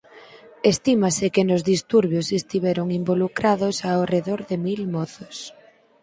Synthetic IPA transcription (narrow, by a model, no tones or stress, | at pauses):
est̪imasɪkenozðist̪uɾβjosest̪iβɛɾoŋimbolukɾaðosaoreðoɾðemilmɔθo̥s